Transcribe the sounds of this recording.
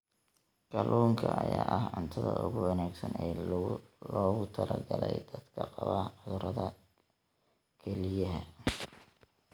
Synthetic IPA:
ɡ̥ɐlʔuːŋkʰɐʔɐjaːʔɐhʕʊnt̪ʰɐðɐʊɣʊwɐnaːɡsɐnɛː | lɔːɣʊt̪ʰɐlʔɐɡɐlɛjd̪̥ɐd̪kʰɐqɑβɐʕʊðʊɾɐðɐ | kʰɛlɪjɐɦɐ

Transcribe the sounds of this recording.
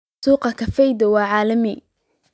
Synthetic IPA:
suːqɐkʰɐfɛjd̪ɐwɑːʕɑːlɐmɪ

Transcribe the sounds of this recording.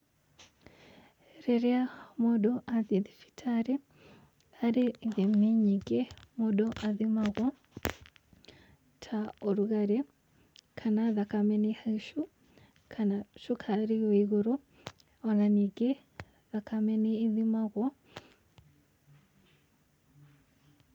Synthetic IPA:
ɾeɾiamodoʔaðiðifi̥tʰaɾe | aɾiðemiɲiɡemodoʔaðimaɣwɔ | tʰaoɾuɣaɾe | kʰanaðakamenihaiʃu | kʰanaʃukʰaɾiwiɣuɾo | onaniɡe | ðakʰameniːðimaɣwo

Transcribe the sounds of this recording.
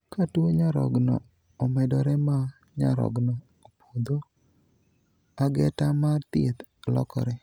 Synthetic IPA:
katwoɲaɾɔ̰ɡnɔ̰ | omɛdɔɾɛma | ɲa̰ɾɔ̰ɡnɔːpʰod̪o | aɡɛtamat̪ɪt̪lɔ̰kɔ̰ɾɛ

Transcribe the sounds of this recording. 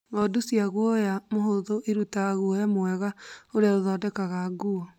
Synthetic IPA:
ɔdusiaɣwɔjamoɦoðoʔeɾutaɣaɣwɔjamwɛɣaoɾeaoðɔdɛkaɣaɡuɔ

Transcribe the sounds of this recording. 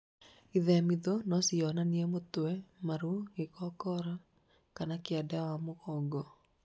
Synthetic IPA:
iðɛmiðonɔsiɔnaniɛmotɛmaɾuɡekɔkɔɾa | kanakiadawamoɣɔɡɔ

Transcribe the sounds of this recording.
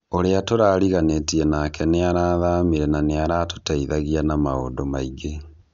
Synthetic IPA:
oɾeatoɾaːɾiɣanetiɛnakɛneaɾaːðaːmiɾɛnaneaɾato̥taiðaɣianamao̰ːndomaiɡe

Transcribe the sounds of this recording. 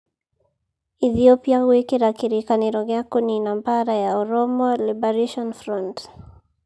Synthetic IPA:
iθiopiawekiɾakiɾikaneɾɔɡɛakɔninambaɾajaɔɾɔmɔlibaɾaʃɔnfɾɔnt

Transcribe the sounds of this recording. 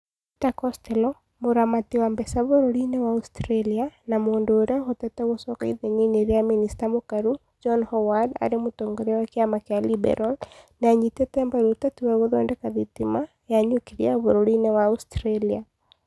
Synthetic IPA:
itakɔstɛlɔ | moɾamatiwambɛsaβoɾoɾinɛwaustɾelianamoːndoːɾeaxotɛtɛɣosɔkaḭðeɲeneɾeaministamokaɾu | d͡ʒɔnhɔwada̰ɾemotoːŋɡoɾɛwakjamakjalibɛ̰ɾʔalnaɲitɛtɛmbaɾotatuwɛɣoðɔːndɛkaðitima | jaɲukiɾiaβoɾoɾinɛwaustɾelia

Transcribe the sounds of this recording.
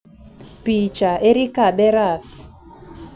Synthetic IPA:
pit͡ʃaʔeɾikaɓɛɾas

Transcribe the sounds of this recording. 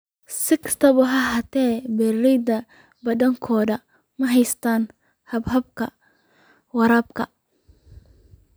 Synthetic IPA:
sɪkʰɐ̥st̪ʰɐβʊɦɐɦɐt̪ʰɛːbɛːrɛjd̪ɐ | bɐdɐŋkʰɔːðɐ | mɐɦɛjst̪ʰaːn | hɐbɦɐb̚kʰɐ | wɐɾɐːbkʰɐ

